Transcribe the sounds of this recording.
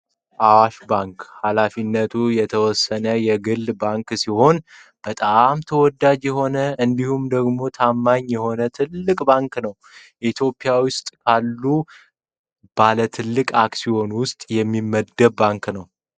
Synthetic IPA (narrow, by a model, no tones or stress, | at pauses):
ʔawaʃbaŋkhalafinːət̪ʰujɛt̪ʰəwɔsːənəjɛɡɨlːbaŋksiho̞n | b̥ət̪ʼamt̪ʰəwɔd̪ad͡ʒjɛɦo̞nəʔɨnd̪ihumd̪əɡmo̞t̪ʰamːaɲjɛho̞nət̪ʰɨlːɨkʼbaŋknəw | ʔit̪ʰjo̞pʼːɪjawʊst̪ʼkʰalːu | b̥alət̪ʰɨlːɨkʼakʼsiho̞nwʊst̪ʼjɛmːimːəd̪ːəbaŋknəw